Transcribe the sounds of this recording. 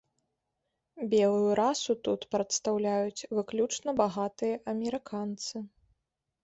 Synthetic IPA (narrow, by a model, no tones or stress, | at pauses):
bʲɛlˠujuɾasut̪ut̪pɾɐt̪st̪awlʲajut͡sʲvɨklʲut͡ʂnɐbaɣat̪ɨjɐʔɐmʲɛɾɨkʰant̪sɨ